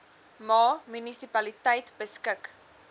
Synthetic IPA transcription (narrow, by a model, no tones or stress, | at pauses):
mɑːmynisipɐlitəjtbəskək